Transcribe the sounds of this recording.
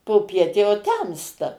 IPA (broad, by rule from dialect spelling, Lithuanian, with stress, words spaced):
poːˈpʲiɛt jɛʊ ˈtʲɛmstɐ